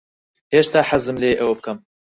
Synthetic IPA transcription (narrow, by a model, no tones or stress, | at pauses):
heʃt̪aːħazɨmleːʔɛwbɨkɐm